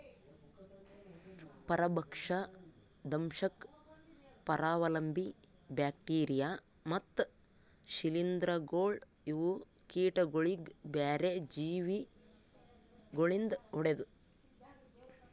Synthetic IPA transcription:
pɐɾɐbɐkʂɐ | d̪ɐmʃɐk | pɐɾaːʋɐlɐmbi | baːk̚ʈiːɾijaː | mɐt̪ː | ʃilind̪ɾɐɡoːɭ | iʋu | kiːʈɐɡoɭiɡbaːɾed͡ʒiːʋi | ɡoɭind̪ɐuɽed̪u

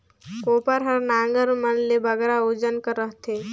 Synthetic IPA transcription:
kopəɾɦəɾnaŋɡəɾmənlebəɡɛɾaud͡ʒənkəɾəɦt̪ʰe

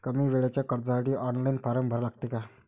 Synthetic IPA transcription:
kəmiːʋeɭjat͡ɕjakəɾd͡zəsaʈiːʔɔnlainpaɾəmbʱəɾlaɡ̚t̪eka

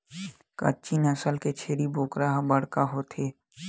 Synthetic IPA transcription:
kə̰t͡ʃiːnəsəlket͡ʃʰeːɽiboːkɾaɦbəɽkaɦot̪ʰeː

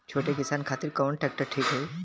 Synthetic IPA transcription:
t͡ɕt͡ʃʰoʈjekisankʰat̪iːɾkəʋɳʈɛk̚ʈəɾʈʰiːkɦe

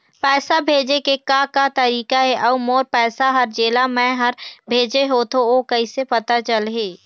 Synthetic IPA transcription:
pɛːsabʱeːd͡ʒekekakat̪ɐɾiːkaɦɛʔɔːmoːɾpɛːsaɦɐɾd͡ʒeːlamɛ̃ɦɐɾbʱeːd͡ʒeɦoːt̪ooːkɐɪsepɐt̪at͡ʃəlɦeː

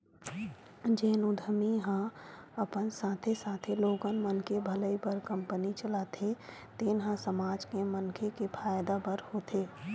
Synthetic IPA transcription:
d͡ʒeːnʊd̪ʱəmiɦãəpənsaːt̪ʰesaːt̪ʰeloːɡənmənkebʱələibəɾkə̃mpənit͡ʃəlaːt̪ʰe | t̪eːnɦə̃səmaːd͡ʒkemənkʰekepʰaːjd̪abəɾhoːt̪ʰeː

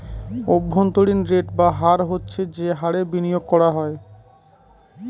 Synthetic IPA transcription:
obʱːont̪oɽinɾeʈbaɦaɾɦotːɕʰed͡ʑeɦaɾebinijoɡ̚kɔɾaɦɔe

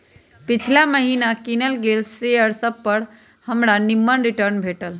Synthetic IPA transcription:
pit͡ʃʰlaməɦinakinəlɡelsejəɾsəb̚pəɽ | həmɽanimːənɾiʈəɾnbʱeʈəl

